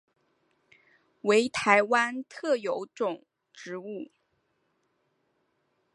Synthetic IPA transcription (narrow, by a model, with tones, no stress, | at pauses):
we˧˥ɪt̪ʰa˧˥ɪwa˥nt̪ʰɤ˥˩jo˧˥ʊʈ͡ʂʊ˨˩ŋ | ʈ͡ʂɻ̩˧˥u˥˩